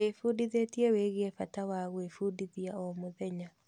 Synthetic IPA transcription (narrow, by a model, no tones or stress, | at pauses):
efudiðetieweɣiefatawaɣwefuːdiðiaɔmoðɛɲa